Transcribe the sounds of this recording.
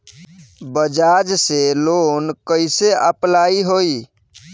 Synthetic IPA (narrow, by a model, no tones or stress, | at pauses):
bəd͡ʒad͡ʒselonkəɪseəplaiɦoi